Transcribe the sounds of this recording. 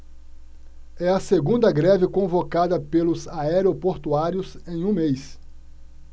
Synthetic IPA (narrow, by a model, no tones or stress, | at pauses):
ɛɐseɡũnd̪ɐɡɾɛvɪkõvokad̪ɐpelʊzaɛɾeopoɾt̪uaɾiʊsẽj̃ũmejs